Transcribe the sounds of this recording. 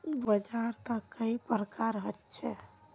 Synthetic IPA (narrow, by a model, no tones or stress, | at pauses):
bəd͡ʒaɾt̪əkːəipɾəkaɾɦətːt͡ʃʰɛ